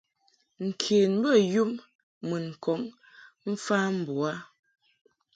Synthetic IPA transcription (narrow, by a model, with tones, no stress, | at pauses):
ŋ̩˨kʰeː˨n˦bə˦˨ju˦m | mɨ˨n̩˨kʰɔ˨˦ŋ | m̩˦fa˦m̩˨bwa˦